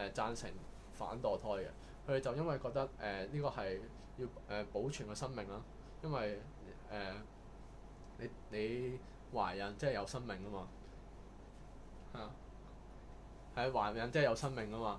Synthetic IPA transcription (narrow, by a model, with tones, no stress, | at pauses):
ɛ˨t͡saː˧nsɪ̰˨˩ŋ | fa̰ː˨˥nt̪ɔː˨˩t̪ʰɔː˥jkɛ̰˧ | kʰɵ˨˧t̪e˨jt͡sɐ˨wjɐ˥nwɐ˨jkɔː˧k̚t̪ɐ˥k̚ʔɛː˨liː˥kɔː˧hɐ˨j | jiː˧wʔɛː˨po˨˥wt͡ʃʰyː˨˩nkɛ˧sɐ˥nmɪ˨ŋlaː˥ | jɐ˥nwɐ˨j | ɛː˨ | ne˨˧jne˨˧j | waː˨˩jɐ˨˥nt͡sɛː˥˨jɐ˨˧wsɐ˥nmɪ˨ŋkɐ˥maː˧ | haː˨˩ | hɐ˨jwaː˨˩jɐ˨nt͡sɛː˥˨jɐ˨˧wsɐ˥nmɪ˨ŋkɐ˥maː˧